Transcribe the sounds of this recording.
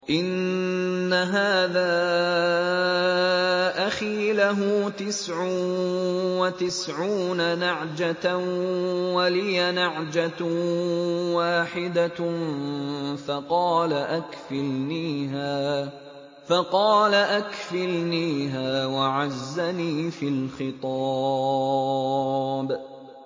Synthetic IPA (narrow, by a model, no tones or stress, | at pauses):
ʔɪnː | aɦaːðaː | ʔaxiːlaɦʊt̪ɪsʕʊ | wat̪ɪsʕuːnanaʕd͡ʒa | walɪjanaʕd͡ʒa | waːħɪd̪a | fɑqɑːlaʔakfɪlniːɦaː | fɑqɑːlaʔakfɪlniːɦaːwaʕazːaniːfɪlxɪt̪ˤɑ | b